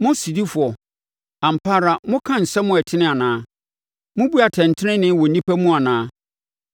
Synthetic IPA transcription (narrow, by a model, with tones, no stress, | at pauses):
mʊ̃˦si˨di˦fʊ˨ɔ˨ | a˨m̩˨pʰaː˦ɾa˨mʊ̃˦kʰã˦n̩˨sɛ˦mʊ̃˦ɛ˨tʰɪ˦nɪ̃˦a˨nãː˦ | mʊ̃˦bu˦a˨tʰɛ̃˨n˨tʰɪ˦nɪ̃˦nɪ̃˦wɔ˨nĩ˦pʰæ˦mũ˦a˨nãː˦